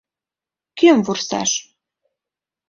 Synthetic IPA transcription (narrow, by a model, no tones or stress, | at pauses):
kemvursɑ̰ʃ